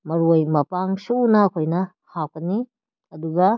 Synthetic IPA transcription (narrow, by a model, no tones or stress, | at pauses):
mɐɾojmɐpaŋsuunɐːkʰojnɐ | hakɐni | ɐduɡɐ